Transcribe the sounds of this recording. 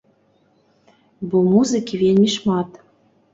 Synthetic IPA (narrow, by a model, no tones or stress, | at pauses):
bumuzɨkʲivʲelʲmʲiʃmɑt̪